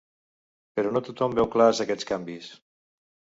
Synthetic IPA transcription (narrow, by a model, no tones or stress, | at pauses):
pəɾɔnot̪ut̪ɔmbɛwklazəkɛt͡skambis